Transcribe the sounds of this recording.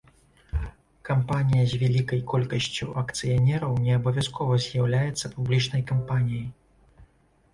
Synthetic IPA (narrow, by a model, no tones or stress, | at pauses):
kampanʲijɐzʲvʲalʲikɐjkɔlʲkɐsʲt͡sʲṵʔɐkt̪sɨjanʲɛɾɐwnʲɛɐbɐvʲaskʰɔvɐzʲjawlʲajɛt̪sːɐpublʲit͡ʂnɐjkampanʲijɐj